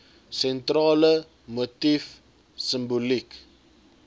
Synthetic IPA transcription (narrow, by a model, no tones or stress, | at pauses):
sɛntrɑːlə | motif | səmbulik